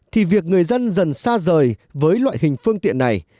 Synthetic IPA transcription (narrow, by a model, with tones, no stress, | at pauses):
t̪ʰi˨˩vi˨˩ək̚ŋɨ˨˩əjzə˧nzə˨˩nsaː˧zəː˨˩jvəː˨˦jlwa̰ː˧˨jhï˨˩ŋ̟fɨ˧əŋt̪ḭ˧˨ənːa˨˩j